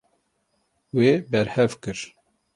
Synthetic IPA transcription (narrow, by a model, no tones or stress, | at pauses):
weːbɛɾhɛvkɨɾ